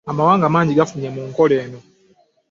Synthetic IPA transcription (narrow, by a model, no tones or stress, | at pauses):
amawaːŋɡamaːɲɟiɡafuɲemuŋko̞le̞ːno̞